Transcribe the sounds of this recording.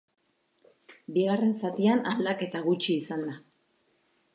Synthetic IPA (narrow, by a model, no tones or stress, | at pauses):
biɣare̞nsat̪ianald̪ake̞t̪aɣut͡ʃiːsand̪a